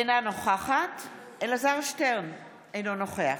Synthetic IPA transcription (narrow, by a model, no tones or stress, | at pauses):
ejnanoχaχat | elazaʁʃteʁn | ejnonoχeaχ